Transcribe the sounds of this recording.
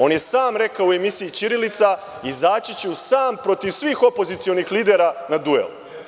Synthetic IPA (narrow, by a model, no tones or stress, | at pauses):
o̞ːnje̞saːmɾe̞kaoue̞misiit͡ʃiɾilit̪sa | izaːt͡ɕit͡ɕeusaːmpɾo̞t̪iʋsʋiːxo̞po̞zit̪sijo̞nixliːd̪eːɾanad̪uḛlu